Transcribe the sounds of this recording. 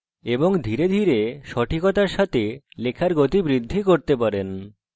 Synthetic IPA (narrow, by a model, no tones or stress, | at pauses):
eboŋd̪ʱiɾed̪ʱiɾeʃɔʈʰikot̪aɾʃat̪elekʰaɾɡot̪ibɾid̪ʱːikoɾt̪epaɾen